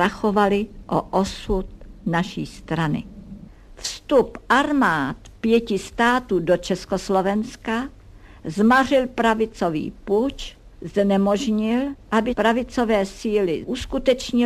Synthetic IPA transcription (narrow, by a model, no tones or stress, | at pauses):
axovalɪʔoʔosut̪̚naʃiːst̪ɾanɪ̰ | fst̪upʔaɾmaːt̪pjɛcɪst̪aːt̪uːdot͡ʃɛskoslovɛnska | zmarɪlpɾavɪt͡sovḭːput͡ʃ | znɛmoʒɲɪlʔabɪpɾavɪt͡sovɛːsiːlɪ̰ʔuskut̪ɛt͡ʃɲɪ